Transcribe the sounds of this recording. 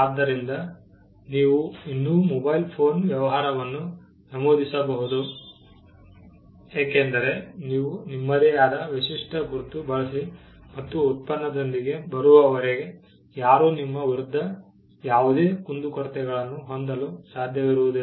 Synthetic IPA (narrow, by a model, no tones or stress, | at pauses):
aːd̪ːɐɾind̪ɐ | niːʋuinːuːmɔbɐjlpʰo̞ːnʋjɐʋɐɦaːɾɐʋɐnːu | nɐmoːd̪ʱisɐbɐɦud̪u | aːkend̪ɐɾe̞niːʋunimːɐd̪ejaːd̪ɐʋisiʂʈɐɡʱuɾt̪ːubɐɭɐsi | mɐt̪ːuːt̪̚pɐnːɐd̪ond̪iɡe̞bɐɾuʋɐʋɐɾeɡe̞ | jaːɾuːnimːɐʋiɾud̪ʱːɐ | jaːʋud̪e̞ːkund̪ukɐɾt̪ɛɡɐɭɐnːuɦond̪ɐlusaːd̪ʱjɐʋiɾuʋud̪u